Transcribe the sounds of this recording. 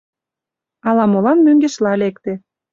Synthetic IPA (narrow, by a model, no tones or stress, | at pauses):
ɑlɑmolɑnmøŋɡeʃlɑlekt̪ĕ